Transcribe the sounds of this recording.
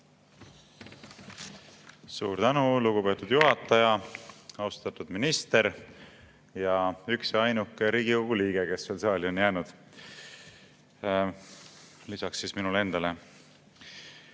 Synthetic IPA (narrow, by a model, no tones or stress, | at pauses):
sṵːɾt̪ænuluɡ̥upe̞ːt̪ːˑud̪̥juɦɑt̪ːˑɑjɑɑust̪ɑt̪ːud̪̥minist̪e̞ɾ | jɑyksɑjnukːˑɾiːɡ̥ikoɡ̥uliːɡ̥e̞ke̞svelsɑːlʲio̞njæːnud̪̥ | lisɑksːisminule̞nd̪̥ɑle̞